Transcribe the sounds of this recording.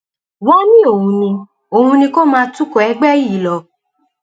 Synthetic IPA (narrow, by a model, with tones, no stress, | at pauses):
wɔ˦nĩ˦o˨hũ˧nĩ˧ | o˨ũ˧nĩ˧ko˦mãː˧tu˦ko˨ɛ˨˦ɡ͡bɛ˦i˦˨˦lɔ˧